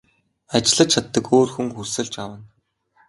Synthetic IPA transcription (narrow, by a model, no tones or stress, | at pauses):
at͡ɕɪɮə̆t͡ɕʰat̪ːə̆koːrxuŋxursɘ̆ɮt͡ɕawə̆n